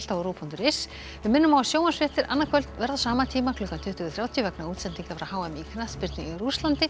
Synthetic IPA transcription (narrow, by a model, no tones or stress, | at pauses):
t̪avɔɾuːpʰunt̪ʏɾe̥s | vɪðmɪnːʏmawasjoːwmḁsfɪht̪ɪɾanːakʰvœlt̪vɛɾðasaːmat̪ʰiːmaklʏkant̪ʰʏht̪ʰʏɣʏθɾawt̪ʰjʏvɛknauːt̪sɛnt̪iŋkavɾahawɛmikʰnaspɪɾt̪nɪŋɾust̪lant̪ɪ